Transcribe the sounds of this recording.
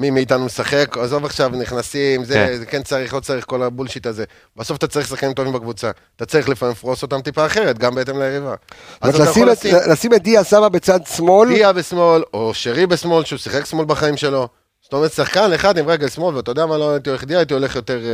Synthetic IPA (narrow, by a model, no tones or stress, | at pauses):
mimiːtanumesaχe̞kazovaχʃavniχnasimzezekent͡saʁiχlo̞t͡saʁiχko̞labulʃitaze̞ | b̥aso̞fat̪at͡saʁiχs̬aχkanimt̪̬o̞vimbekvut͡sa | t̪at͡saʁiχlefamemfʁoso̞t̪amt̪ipaːχeʁet̪ɡambeet̬emleeʁivaaaaaislasimet̚d̪iasababet͡sad̪smo̞ldiabesmo̞loʃeʁibesmo̞lʃeusiχe̞ksmo̞lbaχaimʃe̞lo̞ | sto̞meʁet̪saχkaneχad̪imʁeɡelsmo̞lveat̪ajodeamaloitioeχd̪iaet̬io̞le̞χjo̞teʁ